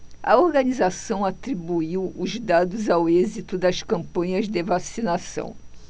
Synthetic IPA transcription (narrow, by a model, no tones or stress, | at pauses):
ɐ̰oɾɡɐnizasɐ̃w̃at̪ɾibuiwʊzd̪ad̪ʊzawezit̪ʊd̪ɐskɐ̃mpɐ̃ɲɐzd̪evasinasɐ̰̃w̃